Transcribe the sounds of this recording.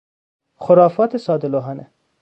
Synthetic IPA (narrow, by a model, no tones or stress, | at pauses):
xoɾɑːfɒːt̪ʰesɒːd̪eloɦɑːne